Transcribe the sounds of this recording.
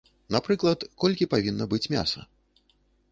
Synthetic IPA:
napɾɨklˠɐt̪kɔlʲkʲipavʲinːɐbɨt͡sʲmʲa̰sɐ̰

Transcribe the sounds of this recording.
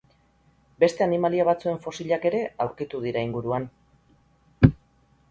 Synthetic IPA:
be̞st̪e̞animaliaβat͡sue̞ɱfo̞siʎake̞ɾe̞awɾkit̪uðiɾaiŋɡuɾuan

